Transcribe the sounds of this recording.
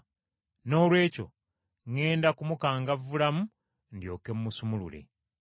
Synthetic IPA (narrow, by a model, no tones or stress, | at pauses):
no̞ːlwe̞ːco̞̰ | ŋe̞ːndakumukaːŋɡavːulamu | ndjo̞̰ːke̞mːusumulṵlḛ